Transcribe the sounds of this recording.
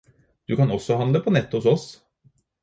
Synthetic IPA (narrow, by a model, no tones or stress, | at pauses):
d̪̥ʉkɑnɔsːɔhɑnləpʰɔnɛt̪ːʊsɔs